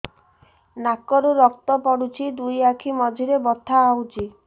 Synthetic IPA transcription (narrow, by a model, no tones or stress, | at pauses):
nakɔɾuɾɔk̚t̪ɔpɔɽut͡ʃʰid̪ujakʰimɔd͡ʒʱiɾebɔt̪ʰːaːwt͡ʃʰi